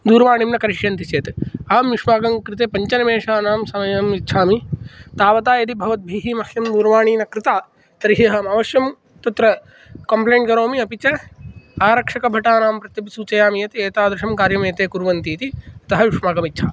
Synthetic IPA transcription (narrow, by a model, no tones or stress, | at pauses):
d̪uːɾʋaːɳimnɐkɐɾiʂjɐnt̪iseːt̪aːmʋiʂmaːɡɐmkɾɪt̪eːpɐɲt͡ʃɐnɐmeːʂaːnaːmsɐmɐjɐmitːʃʰaːmit̪aːʋɐt̪aːjɐd̪ibʱɐʋɐt̪̚bʱiːɦiːmɐhjɐmd̪uːɾʋaːɳiːnɐkɾɪt̪aː | t̪ɐɾiɦeːɦaːmɐːʋɐʃjɐm | t̪ɐt̪ɾɐ | kɐmpleːɳʈkɐɾoːmiɐpit͡ʃɐaːɾɐkʂɐkɐbʱɐʈaːnaːmpɾɐt̪jɐpisuːt͡ʃɐjaːmijɐt̪eːt̪aːd̪ɾɐʂɐmkaːɾjɐmeːt̪eːkuɾʋɐnt̪iːt̪iɐt̪ɐɦɐʋiʂmaːɡɐmit̪ːt͡ʃʰaː